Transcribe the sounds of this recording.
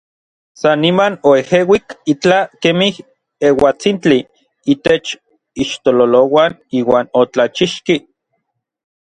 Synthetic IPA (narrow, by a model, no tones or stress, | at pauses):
sanːimanoehewikit͡ɬakemih | ewat͡sint͡ɬi | it̪et͡ʃ | iʃt̪ololowaniːwaːnot͡ɬat͡ʃiʃki